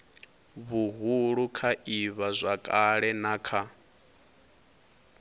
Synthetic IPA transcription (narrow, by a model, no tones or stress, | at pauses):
βuɦuɺukʰaʔiβazʷakʼaɺɛnakʰa